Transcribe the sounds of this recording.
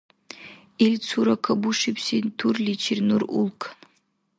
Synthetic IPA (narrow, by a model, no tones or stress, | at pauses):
ilʲt͡sʰuɾakʰɐbuʂipsint̪ʰurlit͡ʃʰirnurṵlˠkʰn